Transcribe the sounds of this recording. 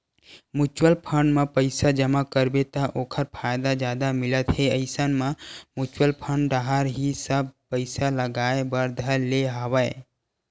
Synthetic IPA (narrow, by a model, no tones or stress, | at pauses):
mut͡ʃwəlpʰəɳɖmãpəɪsad͡ʒəmakəɾbet̪aʔoːkʰəɾpʰajd̪ad͡ʒjaːd̪amɪlət̪ɦeəɪsənmãmut͡ʃwəlpʰəɳɖɖaɦaɾɦisəb̚pəɪsaləɡaːebəɾd̪ʱəleɦəwəe